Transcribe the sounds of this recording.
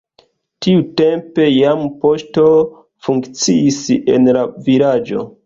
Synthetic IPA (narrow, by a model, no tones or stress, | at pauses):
tiute̞mpe̞jampo̞sto̞ | fuŋkt͡siise̞̰nlavilad͡ʒo̞̰